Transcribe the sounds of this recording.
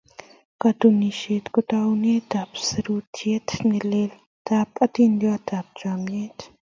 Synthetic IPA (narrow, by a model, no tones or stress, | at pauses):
kat̪uniʃeːt̪kʊt̪awnet̪apsɐɾuːt̪ʰjet̪ʰnileːl | t̪aːpɐt̪ind̪jat̪aːp̚d͡ʒaːmjet̪